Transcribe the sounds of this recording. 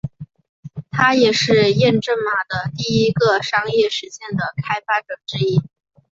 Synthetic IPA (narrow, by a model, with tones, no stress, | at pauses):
t̪ʰa˥jɛ˨˩ʂɻ̩˥˧jɛ˥˧nʈ͡ʂə˥˩ŋma˨˩d̪ə˧t̪i˥˩i˥ɡə˧ʂɑ˥ŋjɛ˥˩ʂɻ̩˧˥ɕjɛ˥˩nd̪ə˩kʰa˥ɪfa˥ʈ͡ʂɤ˨˩ʈ͡ʂɻ̩˥i˥